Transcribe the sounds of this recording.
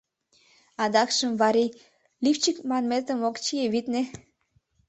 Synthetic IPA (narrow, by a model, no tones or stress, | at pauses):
ɑd̪ɑkʃə̆mvɑɾi | lift͡ɕikmɑnmet̪ə̆mokt͡ɕijeβit̪ne